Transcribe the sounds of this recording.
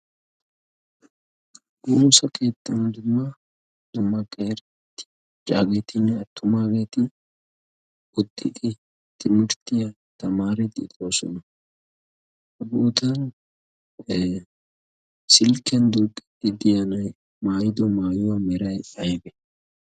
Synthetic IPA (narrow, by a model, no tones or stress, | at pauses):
ɡuːsɐkʰe̞ːt̪ːɐnd̪ʊmːɐ | d̪ʊmːɐkʼeɾ | t̪ːɪ̥ | t͡ʃʼaːɡet̪ʰɪnːɛɐt̪ʰːʊmaːɡe̞ːt̪ɪ | ʊt̪ʼːɪkʼɪ | t̪ɪmɪɾt̪ɪjɐ | t̪ɐmaːɾɛt̪ʼːɪ̰t̪ʼo̞ːsɔ̰nɐ | ɐbʊʔʊt̪ɐn | sɪlkɛnd̪uːkʼːɛ̥t̪ʼːɪd̪ɪjɐnɐj | maːjɪd̪ɔmaːjʊwɐmɛɾɐjɐjbɛ